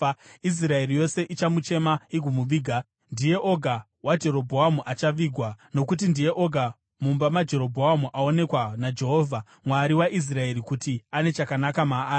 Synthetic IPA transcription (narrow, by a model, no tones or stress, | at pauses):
is̬rae̞rijo̞se̞ʔit͡ʃamut͡ʃe̞maiɡʱumuʋiːɡʱa | ndije̞ʔo̞ɡʱa | wad͡ʒe̞ɾo̞bʱo̞ɦamuʔat͡ʃaʋiːɡʱwano̞k̬utindije̞ʔo̞ɡʱa | mumbamad͡ʒe̞ɾo̞bʱoɦamuʔao̞ne̞kwanad͡ʒe̞ɦo̞ːvʱa | mwaɾiwaʔis̬rae̞ɾikutiane̞t͡ʃakanakamaːi